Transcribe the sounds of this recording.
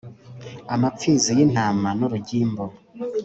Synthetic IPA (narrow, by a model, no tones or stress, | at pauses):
amap͡fiːzijin̥haːmanoɾuɟiːmbo